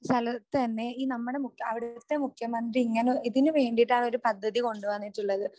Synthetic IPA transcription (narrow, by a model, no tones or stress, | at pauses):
st̪ʰɐlɐt̪ːɨɐnːe̞iːnɐmːuɽe̞mukjɐɐʋiɽɐt̪ːe̞mukʰːjɐmɐnd̪riiŋːɐneiðinɨʋe̞ːɳɖiʈːaːɳo̞ɾupɐd̪ʱːɐðiko̞ɳɖuʋɐnːiʈːuɭːɐðɨ